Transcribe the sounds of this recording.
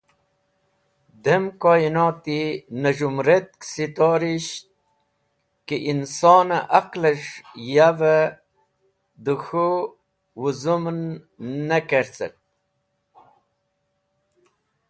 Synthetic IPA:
d̪emkoːinɑːt̪inəʒumɾet̪̚ksit̪oːɾiɕt̪ | kiʔinsɑːnaʔaqləʂjavə | d̪uxu | wuzumnː | əkeɾt͡sə̰t̚

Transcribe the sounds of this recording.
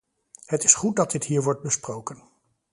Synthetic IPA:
hətɪsχut̚dɑd̚dɪtɦiːɹʋɔɹt̚bəsprowkən

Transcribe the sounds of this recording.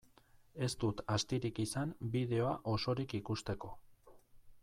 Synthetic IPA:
e̞st̪ut̪ast̪iɾikisambiðe̞o̞aʔo̞so̞ɾikikust̪e̞ko̞

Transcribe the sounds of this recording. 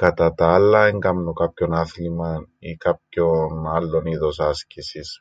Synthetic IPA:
kɐt̪ɐt̪ɐɐlːɐeŋɡɐmnokɐpço̞nɐθlimɐikɐp̚çonɐlːo̞niðo̞sɐscisis

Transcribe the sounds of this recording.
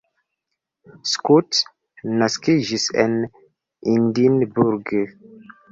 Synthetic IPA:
skut | naskiʒisɛ̰n | indinbuɾɡə

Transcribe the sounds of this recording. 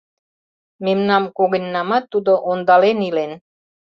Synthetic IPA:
memnɑmkoɣə̆nʲːɑmɑt̪ːud̪oʔond̪ɑlenilen

